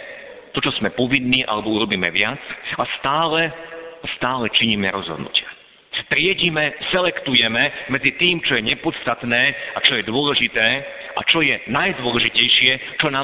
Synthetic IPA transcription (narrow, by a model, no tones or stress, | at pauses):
t̪ɔt͡ʃɔz̥mɛpɔʋinːiːʔa̰lɛbɔuɾɔbiːmɛ̰ʋɪat͡sast̪aːlɛast̪aːlɛt͡ʃiɲimɛɾɔzɦɔ̰d̪nṵcɪa | t̪ɾɪɛɟimɛsɛlɛkt̪ujɛmɛmɛd͡zit̪iːmt͡ʃɔjɛɲɛpɔt̪st̪at̪nɛːat͡ʃɔjɛd̪ʊɔlɛʒit̪ɛː | ʔa̰t͡ʃɔjɛnajd̪ʊɔlɛʒicɛjʃɪɛt͡ʃɔnaː